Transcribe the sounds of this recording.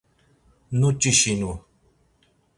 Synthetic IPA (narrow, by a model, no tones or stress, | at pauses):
nut͡ʃiɕinu